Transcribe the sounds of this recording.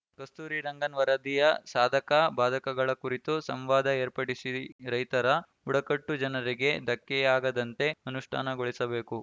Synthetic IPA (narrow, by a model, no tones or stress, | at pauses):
kɐst̪uːɾiɾɐŋɡɐnʋɐɾɐd̪ijɐsaːd̪ʱɐkɐbaːd̪ʱɐkɐɡɐɭɐkuɾit̪usɐmʋaːd̪ʱɐeːɾpɐɽisiɾɐjt̪ɐɾɐ | uɽɐkɐʈːud͡ʒɐnɐɾiɡe̞d̪ʱɐkːɛaːɡɐd̪ɐnt̪e̞ɐnuʂʈʰa̰ːnɐɡoɭisɐbe̞ːku